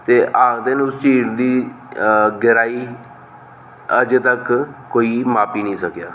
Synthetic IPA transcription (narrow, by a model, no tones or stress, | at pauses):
t̪eːʔaːɡd̪enʊst͡ʃiːɾd̪iː | ɡɪɾaːiː | əd͡ʒt̪əkkoːiːmaːpiːnĩːsəkjaː